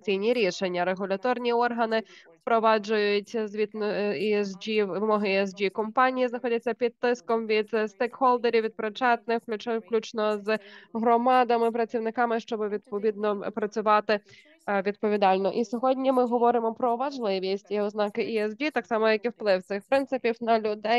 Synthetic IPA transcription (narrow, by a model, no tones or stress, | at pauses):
t͡sʲijnʲiɾʲiʃenʲːɐɾeɦʊlʲɐt̪ɔrnʲiɔrɦɐnɪspɾɔʋɑd͡ʒʊjʊtʲzʋʲit̪niɛsd͡ʒiʋɪmɔɦɪɛs̬d͡ʒʲikɔmpɑnʲijiznɐxɔdʲɐt͡sʲːɐpʲid̪̚t̪ːɪskɔmʋʲid̪st̪ejkhɔlˠd̪eɾʲiʋʲid̪̚pɾɔt͡ʃɛt̪nɪxkʲklʲut͡ʃnɔzɦɾɔmɑd̪ɐmɪpɾɐt͡sʲiwnɪkɑmɪʃt͡ʃɔbɪʋʲid̪pɔʋʲid̪nɔpɾɐt͡sʲʊʋɑt̪ɪ | ʋʲid̪̚pɔʋʲid̪ɑlʲnɔʔisʲɔɦɔdʲnʲimɪɦɔʋɔɾɪmɔpɾɔʋɐʒlˠɪʋʲisʲtʲiɛɔznɑkɪʔiɛsd͡ʒʲit̪ɑksɑmɔjɐkiwplˠɪwt̪sɪxpɾɪnt̪sɪpʲiwnɐlʲʊd̪ɛj